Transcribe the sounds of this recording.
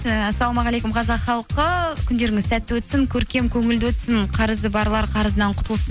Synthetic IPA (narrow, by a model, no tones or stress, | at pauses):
æsːɑlˠomɑʁɑlˠekʊmqʰɑzɑqχɑlˠqəkʲʰʏnd̪e̞ɾɪŋɪzsæt̪ːɪwɵt̪sɪŋkʲʰɵɾkʲe̞mkʲʰɵŋɪld̪ɪwɵt̪sɪnqʰɑɾəzd̪əbɑɾlˠɑɾqʰɑɾəzənɑɴqʰʊ̥t̪əlˠsə